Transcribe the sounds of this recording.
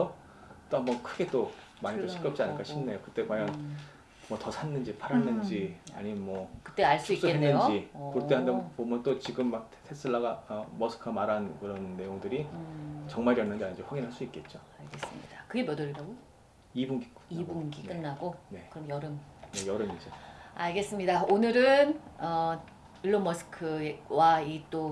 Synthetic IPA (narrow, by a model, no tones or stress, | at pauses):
ʌ | t͈ohambʌnkʰɯɡe̞t͈o | maɲitoɕʰik͈jʌp̚t͡ɕ͈ianɯɭk͈aɕʰinːejokɯt͈e̞kwajʌŋ | mʌtʌsʰanːɯnd͡ʑipʰaɾanːɯnd͡ʑia̰ɲimenmwʌkɯ̥t͈eaɭs͈ʰuis͈ueenːɯnod͡ʑikut͈eɦandepomjʌnt͈ot͡ɕiɡɯmːak̚ʰtʰesʰɯɭːaɡaʌmʌsʰɯ̥kʰamaɾankɯɾʌnːe̞joŋdɯɾit͡ɕʌŋmaɭjʌnːɯnd͡ʑiaɲid͡ʑiɸwaɡinɦaɭs͈uik͈e̞t̚t͡ɕ͈oaɭɡe̞s͈ɯmɲḭd̥akɯɡe̞mjʌdʌɾiɾaɡo | ibuŋɡiibunɡik͈ɯnːaɡone̞kɯɾʌmjʌɾɯmnejʌɾɯmid͡ʑeaɭɡe̞s͈ɯmɲidaonɯɾɯnʌ | iɭːomʌsʰɯ̥kʰɯwait͈o